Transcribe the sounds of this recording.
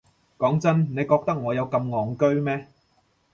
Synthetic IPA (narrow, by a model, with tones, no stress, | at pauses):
kɔː˨˥ŋt͡sɐ˥nne˨˧jkɔː˧k̚t̪ɐ˥k̚ŋɔː˨˧jɐ˨˧wkɐ˧mŋɔː˨ŋkɵ˥ɥmɛː˥